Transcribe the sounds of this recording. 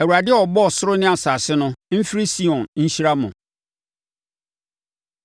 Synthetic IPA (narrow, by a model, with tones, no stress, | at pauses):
æ˨wu˨ɾa˨dɪ˦ɛ˦ɔ˨bɔ˦˨sʊ˦ɾʊ˦nɪ̃˦a˨saː˨sɪ˦nʊ̃˦m̩˦fi˦ɾi˦si˦ɔ̃˨nɲ̩˦ɕi˦ɾa˦mʊ̰̃˨